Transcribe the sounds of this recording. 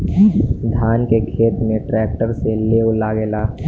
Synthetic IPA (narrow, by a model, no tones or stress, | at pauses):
d̪ʱaːnkekʰeːt̪mẽʈɾɛːk̚ʈəɾseleːlaɡeːlaː